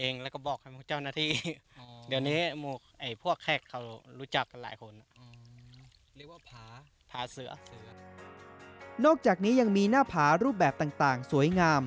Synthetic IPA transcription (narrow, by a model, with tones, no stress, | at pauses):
ʔeː˧ŋlːkɔː˥˩bɔː˨˩k̚ha˥˩jpʰu˧˥˩t͡ɕa˥˩wnaː˧˩t̪ʰiː˧˩di˨˩˧wniː˦˥muː˧˩ | ʔa˨˩jpʰu˥˩əkʰːɛ˧˩kʰːa˧˩wɾuː˦˥t͡ɕa˨˩k̚ːa˧˩la̰ː˩˦jkʰo˧n˧˩˧ | pʰaː˨˩˦ | pʰaː˨˦sɯ˨˩˦ɐ˨˩˦ | nɔː˥˩k̚t͡ɕaː˨˩k̚niː˦˥ja˧ŋmiː˧naː˥˩pʰaː˩˦ɾuː˥˩p̚bɛː˨˩p̚t̪aː˨˩ŋt̪aː˨˩ŋsu˩˦əjŋaː˧m